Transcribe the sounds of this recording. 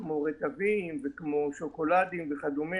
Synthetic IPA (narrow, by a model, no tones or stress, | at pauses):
kmoʁet̪avimvekmoʃo̞ko̞lad̪imveχad̪umi